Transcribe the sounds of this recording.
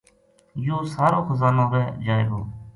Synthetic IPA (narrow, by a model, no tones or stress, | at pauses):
joːsaːɾõːxəzaːnõːʋɛːd͡ʒaːeːɡoː